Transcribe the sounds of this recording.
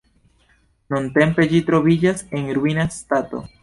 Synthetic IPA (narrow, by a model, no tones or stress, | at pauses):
nunte̞mpe̞d͡ʒitɾo̞vid͡ʒase̞nɾuinastato̞̰